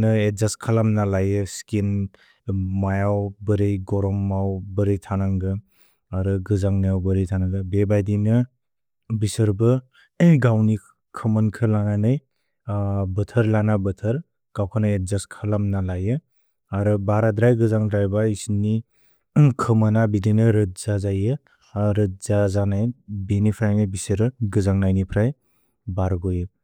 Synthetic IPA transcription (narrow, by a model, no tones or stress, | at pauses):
nɯet̚zaskʰalamnalajɯskin | majawbɯɾejɡɔɾɔmːawbɯɾɯjtʰanaŋɡɯ | aɾɯɡɯzaŋnijawbɯɾejtʰanaŋɡɯbebajdinɯ | bisɯɾbɯ | ɡawni | kʰɯmɯnkʰɯlaŋajnɯj | bɯtʰəɾlanabɯtʰɯɾ | ɡ̥awkʰanajezaskʰalamnalajɯ | aɾɯbaɾadɾajɡɯzaŋdɾajbaisni | kʰɯmanabidinɯɾɯt̚zazajɯ | ɾɯt̚zazanajbenipʰɾajnibisɯɾɯɡɯzaŋnajnipʰɾaj | baɾɡɔjɯ